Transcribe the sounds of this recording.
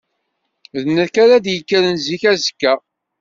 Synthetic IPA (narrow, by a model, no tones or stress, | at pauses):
ðnəɾkaɾad̪jəkːəɾənziçæzəkːæ